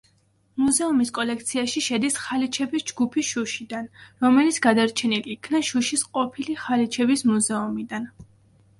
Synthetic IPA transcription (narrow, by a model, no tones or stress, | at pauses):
muzɛumiskʼɔlɛkʰt̪sʰiaʃiʃɛd̪isχalit͡ʃʰɛbisd͡ʒɡupʰisʃuʃid̪anɾɔmɛlit̪sʰɡ̥ad̪aɾt͡ʃʰɛniliːkʰnaʃuʃisqʼɔpʰiliχalit͡ʃʰɛbismuzɛumid̪an